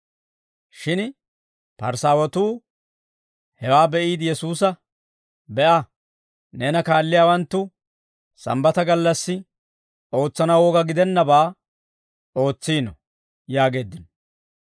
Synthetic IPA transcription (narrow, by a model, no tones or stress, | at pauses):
ʃɪn | pɐɾsaːwɔt̪uː | hɛwaːbɛʔiːd̪ɪjɛsuːs̬ɐ | bɛʔɐ | neːnɐkaːlːɪjaːwɐnt̪ːʊ | sɐ̰mbɐt̪ɐɡɐlːɐsːɪ | o̞ːt͡sːɐnɐwoːɡɐɡɪd̪ɛnːɐbaː | o̞ːt͡sːiːnɔ | jaːɡe̞ːd̪ːɪnɔ